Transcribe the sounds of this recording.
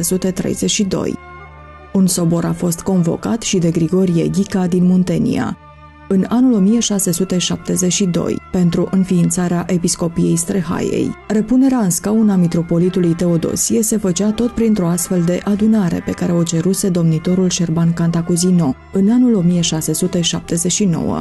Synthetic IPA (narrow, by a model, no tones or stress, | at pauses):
esut̪e̞t̪ɾe̞̰jzeʃid̪o̞̰j | unso̞bo̞ɾafo̞st̪ko̞nvo̞̰kat̪ʃid̪e̞ɡɾiɡo̞ɾijḛɡʲikad̪inmunt̪e̞nḭa̰ | ɨnanulo̞mijeʃase̞sut̪e̞ʃap̚t̪e̞zet͡ʃʃid̪o̰jpe̞nt̪ɾuʔɨnfiːnt̪saɾeaʔe̞pisko̞pije̞jst̪ɾe̞ɦa̰jḛjre̞pune̞ɾeaɨnskaunamit̪ɾo̞po̞lit̪ulujt̪e̞o̞d̪o̰siese̞fət͡ʃat̪o̞t̪̚pɾint̪ɾo̞ast̪fe̞ld̪e̞ʔad̪unaɾe̞̰pe̞kaɾe̞ot͡ʃe̞ɾuse̞d̪o̞mnit̪o̞ɾulʃe̞rbankant̪akuzino̞ | ɨnanulo̞mijeʃase̞sut̪e̞ʃap̚t̪e̞ze̞t͡ʃʃino̞̰wə̰